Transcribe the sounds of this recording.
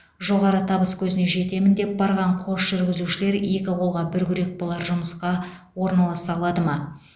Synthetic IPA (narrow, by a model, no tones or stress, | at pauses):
ʒo̞ʁɑɾət̪ʰɑbəskʲʰɵzɪne̞ʒe̞t̪e̞mɪnd̪e̞p̚bɑɾʁɑɴqʰo̞ʃʒ̥ʏɾɡʲɪzuʃɪle̞ɾe̞kʲɪqʰolˠʁɑbʏɾɡʲʏɾe̞k̚bolˠɑɾʒʊməsqɑ | wo̞ɾnɑlˠɑsɑlˠɑd̪əmɑ